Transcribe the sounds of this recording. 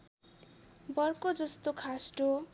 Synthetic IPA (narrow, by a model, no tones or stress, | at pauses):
bʌrkod͡zʌst̪okʰasʈo